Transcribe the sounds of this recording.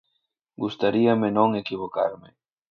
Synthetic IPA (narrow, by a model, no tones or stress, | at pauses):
ɡust̪aɾiɐmɪnõŋekiβ̞oka̰ɾmɪ